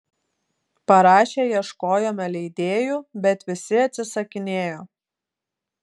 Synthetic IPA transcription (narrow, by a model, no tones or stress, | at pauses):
pɐɾɑːʃʲeːjiɛʃkoːjoːmʲɛlʲɛɪd̪ʲeːjubʲɛt̪ʋʲɪsʲɪɐt̪ʲsʲɪsɐkʲɪnʲeːjoː